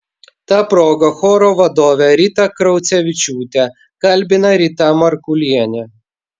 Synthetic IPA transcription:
t̪ɑːpɾoːɡɐxɔːɾoːʋɐd̪oːʋʲɛɾʲiːt̪ɐkɾɐʊt̪sʲɛʋʲɪt͡ʃʲuːt̪ʲɛ | kɐlʲbʲɪnɐɾʲit̪ɑːmɐɾkʊlʲiɛnʲɛ

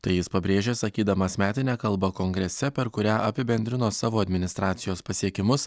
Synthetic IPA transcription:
t̪ɐɪjɪspɐbʲɾʲeːʒʲeːsɐkʲiːd̪ɐmɐsmʲæːt̪ʲɪnʲæːkɐlˠˑbɐkoːŋɡɾʲɛsʲɛpʲɛɾkʊɾʲæːʔɐpʲɪbʲɛnʲd̪ʲɾʲɪnoːsɑːʋoːɐd̪ʲmʲɪnʲɪst̪ɾɑːt̪sʲɪjoːspɐsʲiɛkʲɪmʊs

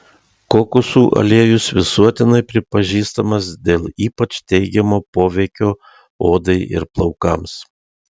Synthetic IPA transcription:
koːkʊsuːʔɐ̰lʲeːjʊsʋʲɪsuɔt̪ʲɪnɐɪpʲɾʲɪpɐʒʲiːst̪ɐmɐsd̪ʲeːlˠiːpɐt͡ʃt̪ʲɛɪɡʲɛmoːpoːʋʲɛɪkʲoː | oːd̪ɐɪʔɪ̰ɾplˠɒʊkɐms

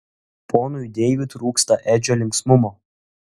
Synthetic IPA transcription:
pʰonʊjd̪ʲɛjʋʲɪt̪ɾuːkst̪ɐʔæːd͡ʒʲoːlʲɪŋksmʊmoː

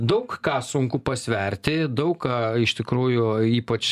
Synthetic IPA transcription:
d̪ɐʊkkɑːsʊŋkʊpɐsʲʋʲɛɾʲt̪ʲɪd̪ɐʊkkɑɪʃt̪ʲɪkɾuːjʊiːpɐt͡ʃ

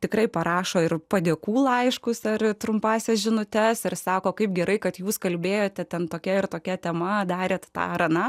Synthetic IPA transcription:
t̪ʲɪkrɐɪpɐɾɑːʃoːɪrpɐd̪ʲeːkuːlˠɐɪʃkʊsɐrt̪ɾʊmpɑːsʲɛsʒʲɪnʊt̪ʲɛsɪrsɑːkoːkɐɪpɡʲɛɾɐɪkɐt̪juːskɐlʲbʲeːjoːt̪ʲɛt̪ʲɛnt̪oːkʲɛɪrt̪oːkʲɛt̪ʲɛmɐd̪ɑːɾʲeːt̪t̪ɑ̰ːɾɐnɑ

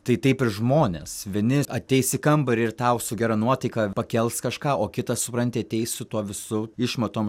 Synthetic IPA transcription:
t̪ɐɪt̪ɐɪpɪɾʒmoːnʲḛsʋʲiɛnʲɪɐt̪ʲɛɪsɪkɐmbɐɪɾɪrt̪ɐʊsʊɡʲɛɾɑnuɔt̪ɐɪkɑpɐkʲɛlˠskɐʃkɑːoːkʲɪt̪ɐssʊpɾɐnʲt̪ʲɪɐt̪ʲɛɪssʊt̪uɔʋʲɪsʊɪʃmɐt̪oːm

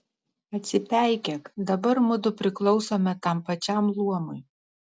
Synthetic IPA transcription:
ɐt̪ʲsʲɪt̪ʲæˑɪkʲɛkd̪ɐbɐɾmʊd̪ʊpʲɾʲɪklˠɒʊsoːmʲɛt̪ɐmpɐt͡ʃʲɛˑmlˠuɔmʊɪ

